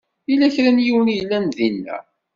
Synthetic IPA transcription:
ilæçɾænjiwənijlːænðinːæ̰

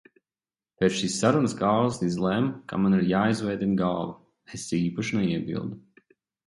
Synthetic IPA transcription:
pet̪ʃiːsːaɾunəsɡaːlˠsizlˠɛmka̰maniɾjaːizvɛjd̪ʲinɡaːvu | esiːpaʃnɛiɛbḭlˠd̪u

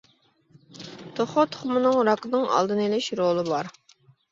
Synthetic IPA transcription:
t̪ʰoχot̪ʰʊ̥χmɨnɨŋɾɑknɨŋɑ̰lˠd̪ɨnelɪʃɾolˠɨbɑɾ

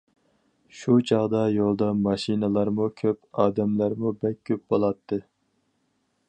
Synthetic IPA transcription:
ʃut͡ʃʰɑʁd̪ɑjolˠd̪ɑmɑʃinɨlˠɑɾmukʲʰøp̚ɑːd̪ɛmlæɾmubɛkʲʰːøp̚bolˠɑt̪ʰːɨ

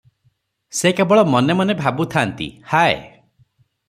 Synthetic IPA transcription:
sekebɔɭɔmɔnemanebʱabut̪ʰant̪ḭhaḛ

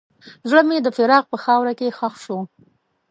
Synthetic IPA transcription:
zɽəmed̪əfɪɾɑɣpəxɑwɾakexaxʃu

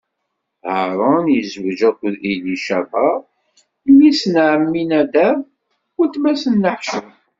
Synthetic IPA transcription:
həɾˤɑnjəzwʒækʷːðiliʃævɑ | lisnʕəmːinæd̪æ | ʊɾt̪mæsənːəħʃə

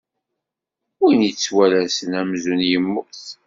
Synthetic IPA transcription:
winit͡sːwælæsənæmzunjəmːʊɾθ

